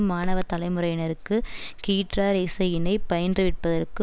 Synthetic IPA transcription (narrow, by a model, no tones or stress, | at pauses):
mːaːnɐʋɐt̪ɐlɐɪmɯrɐjɪnɐɾɯkːɯkiːʈraːɾeːsɐjɪnɐɪpɐjɐndrɯʋɪʈ̚pɐðɐrkɯ